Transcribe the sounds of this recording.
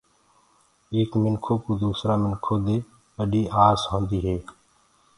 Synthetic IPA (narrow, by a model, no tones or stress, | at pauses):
eːkmɪŋkʰoːkuːd̪uːsɾaːmɪnkʰoːd̪eː | ɓəɗiːʔaːzɦõːnd̪iːɦeː